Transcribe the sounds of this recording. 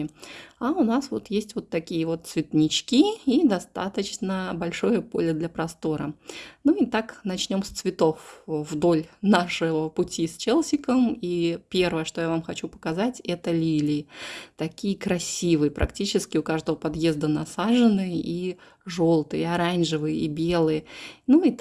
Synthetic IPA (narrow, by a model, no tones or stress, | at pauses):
aʊnasvo̞̰t̪jesʲtʲvo̞t̪ːɐkʲijəvo̞t̪̚svʲɪt̪nʲɪt͡ɕkʲiid̪ɐst̪a̰t̪ət͡ɕnəbɐlʲʂo̞jəpo̞̰lʲəd̪lʲɐpɾɐst̪o̞ɾə̰nuɪt̪aknɐt͡ɕnʲo̞mst̪svʲɪt̪o̞fvd̪o̞lʲnaʂɨvəpʊtʲisʲt͡ɕelˠsʲɪkəmipʲe̞rvəjəʂt̪o̞javamxɐt͡ɕupə̥kɐzatʲɛt̪əlʲilʲɪt̪ɐkʲijəkɾɐsʲivɨjəpɾʔɐ̰ktʲit͡ɕɪskʲɪʊkaʐd̪əvəpɐd̪jezd̪ənɐsaʐɨnɨjəʔi | ʐo̞lˠt̪ɨjəɐɾanʐɨvɨjəibʲe̞lˠɨjənui